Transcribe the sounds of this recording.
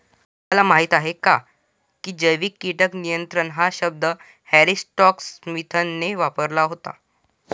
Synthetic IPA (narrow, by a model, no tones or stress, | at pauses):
məlamaɦit̪aɦeka | kiːd͡ʑəjʋikːiʈəknijənt̪ɾəɳɦaɕəb̚d̪ə | hæɾisʈɔksmit̪ʰənːeʋapəɾlaɦot̪a̰